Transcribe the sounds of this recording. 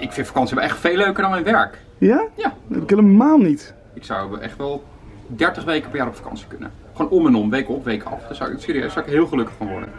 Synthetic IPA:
ʔɪkfɪntfḁkɑnsiʋɛlˠɛχtfejlːøɥkəɹdɑnmɛjnʋɛɹk | jajaɛpɪkɦeːləmaːlˠnit | ɪksɑwʔɛ̰χtʋɛlˠ | dɛɹtəχʋejkəpəɹjaːɾɔpfḁkɑ̰nsi̥kɵnə̰ | χonɔmɛnɔmʋejkɔpʋejkɑ̰fd̥asɔwɪ̰ksɪːɾijø̰sɔwɪkɦɪːlˠχəlɵkəχfɑnʋɔ̰ɹdə̰n

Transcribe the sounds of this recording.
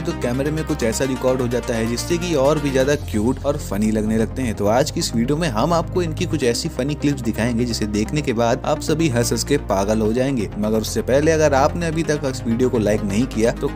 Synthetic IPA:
t̪okɛːməɾemẽkʊt͡ʃʰɛːsaɾɪkɔːɾɖɦod͡ʒaːt̪aɦɛd͡ʒɪsːekiɔːɾbʱizjaːd̪akjuːʈɔːɾfɐnilɐɡnelɐɡ̚t̪eɦɛ̃t̪oaːd͡ʒkiɪsʋiːɖijomẽɦɐmaːp̚koɪnkikʊt͡ʃʰɛːsifɐniklɪpsd̪ɪkʰaːẽːŋɡed͡ʒɪsed̪eːkʰnekebaːd̪a̰ːpsɐbʱiɦɐsəskepaːɡəlɦod͡ʒaːẽːŋɡeːmɐɡəɾʊsːepɛɦleɐɡəɾaːpneɐbʱit̪ɐkɐsʋiːɖijokolaːɪknɐɦĩkijat̪o

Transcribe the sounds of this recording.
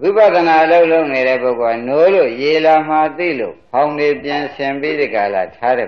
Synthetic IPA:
wipat̪ənaloʊʔloʊʔneɾɛ̰poʊkoanolojelam̥at̪ḭlo̰hãʊ̃ndepjɪ̃nsʰɪ̃mbid̪əɡala̰tʰaɾɛ̰

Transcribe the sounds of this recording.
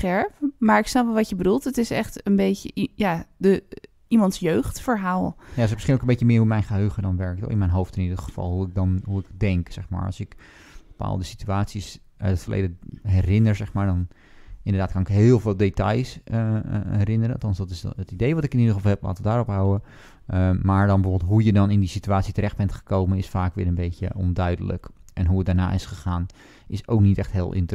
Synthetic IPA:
χɛɹpmaːɹɪksnɑpʋɛlˠʋɑtjəbədulˠtətɪsɛχtənbeːtəjadə | imɑntsjøɥχtfəɹɦaːlˠnajs̬əməsχinlokəmbetjəmɪːɹɦumɛjnχəɦøːχədɔnʋɛɹk̚to̰ɪnmɛjnɦowftɪnidəχəfɑ̰lˠɦuɪk̚dɔnɦuɪkdɛŋksɛxma̰ːɹɑ̰sɪk | b̥əpa̰ːlˠdəsityaːtsis | ʔœ̰tətfəɹlʔḛjdəɦɛrɪnəɹsɛxmaːɹdɔn | ɪndədaːt̚kɑnɪkɦɪːlˠvɪːlˠdetɑjs | ɛɾɪnəɾənɑtɑnsdɔtɪsətidejʋɔtɪkɪnidəfɑlˠɦɛpla̰ːtʋədaːɾɔpɦawə | maːɹdɔnbəvoblˠtɦujədɔnɪndisityaːtsitərɛx̚bɛntχə̥kowmənɪsfaːkʋɪːɹənbejtjə̰ʔɔ̰ndœɥdələ̰kʔɛnɦuət̚daːɹna̰ːɪsχəχaːn | ʔɪsowknitɛxtɦɪːlˠʔɪ̰nt

